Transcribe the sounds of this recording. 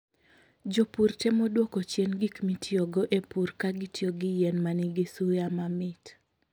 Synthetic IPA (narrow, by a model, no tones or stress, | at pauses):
d͡ʒopuɾtɛmɔdwɔkot͡ʃɛnɡikmitʰjoɡɔʔepuɾkaɡɪtjoɡɪjɛnmanɪɡɪsujamamɪt